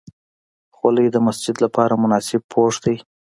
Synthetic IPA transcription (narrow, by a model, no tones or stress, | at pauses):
xaləjd̪əmasd͡ʒɪd̪lapɑɾamʊnɑsɪb̚pʰoʂd̪aj